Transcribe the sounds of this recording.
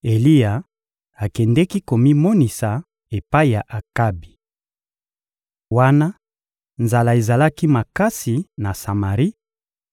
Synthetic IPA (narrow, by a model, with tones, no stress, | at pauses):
e˨li˦ja˨ | a˨kɛ˨ndɛ˦ki˦ko˨mi˦mo˦ni˨sa˨ | e˨pa˦i˨ja˨ʔa˨ka˦bi˨ | wa˦na˦ | nza˨la˨e˨za˨la˦ki˦ma˨ka˦si˨na˨sa˨ma˨ʁi˦